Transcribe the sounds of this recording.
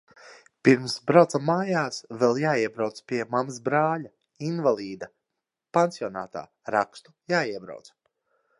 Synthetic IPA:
piɾmsbɾawt̪amːaːjaːsvɛlˠjaːiɛbɾawt̪spʲiɛmaməsbɾaːʎa | invalˠiːd̪a | pansiɔna̰ːt̪a̰ː | ɾa̰kst̪u̥jaːiɛbɾa̰wt̪s

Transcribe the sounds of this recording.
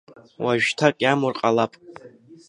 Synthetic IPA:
waʒᶣtʰakʼjamʊrqʼalapʼ

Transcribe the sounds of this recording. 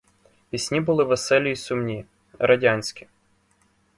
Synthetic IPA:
ʋʲisʲnʲibʊlˠɪʋɛsɛlʲiːsʊmnʲi | ɾɐdʲanʲsʲkʲi̥

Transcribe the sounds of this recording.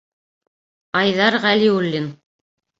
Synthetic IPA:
ɑjðɑɾʁæliulʲːin

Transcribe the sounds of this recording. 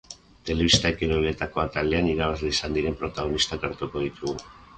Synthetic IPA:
t̪e̞le̞βist̪aekeɾolet̪ako̞at̪ale̞aniɾaβ̞azleisand̪iɾe̞mpɾo̞t̪aɣ̞o̞nist̪akeɾt̪uko̞ð̞it̪uɣu

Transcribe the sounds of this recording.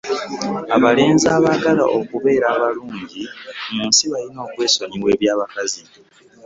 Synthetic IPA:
aβaleːnzaːβaɡala̰ʔokuβe̞ːɾaːβaluːɲɟimuːnsiβalino̞ːkwe̞ːsoɲiβwe̞ːβjaːβakazi

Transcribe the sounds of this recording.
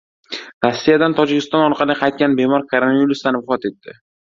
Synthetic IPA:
ɾasːijad̪ant̪ʰɒd͡ʒɪkʲɪst̪ɒnɒɾqʰɑlˠɪqʰɑjt̪̚kʲanbe̞mɒɾkʰoɾonaviɾusd̪anvɪfɒt̪e̞t̪ːɪ

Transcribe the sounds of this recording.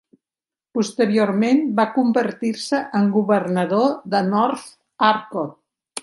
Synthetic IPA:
pust̪əɾioɾmenbakumbəɾt̪iɾsəʔəŋɡuβərnəðoðənɔɾθ | aɾko

